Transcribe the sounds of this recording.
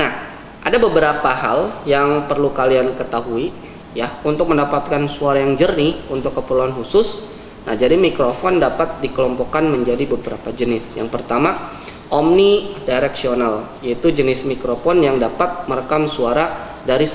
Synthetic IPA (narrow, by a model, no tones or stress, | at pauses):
nah | ʔadabəbəɾapaɦaljaŋpərlukaliankət̪aɦui | jaunt̪ʊk̚məndapat̪̚kansuaɾajaŋd͡ʒərniunt̪ʊkːəpərluanɦusʊs | na̰hd͡ʒadimikɾofɔndapat̪̚dikəlɔmpɔkanməɲd͡ʒadibəbəɾapad͡ʒənɪsjaŋpərt̪ama | ʔɔmnidaɾɛksional | jait̪ud͡ʒənɪsmikɾofɔnjaŋdapat̪̚məɾəkamsuaɾa | daɾis